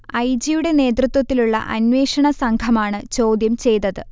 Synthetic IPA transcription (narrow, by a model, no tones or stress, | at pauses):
ɐjd͡ʑijuɽe̞ne̞ːd̪rɨt̪wɐt̪ːiluɭːɐ̰ʔɐnʋe̞ːʂɐɳɐsɐŋɡʰʱɐmaːɳɨt͡ɕo̞ːd̪jɐmt͡ɕe̞jt̪ːɐðɨ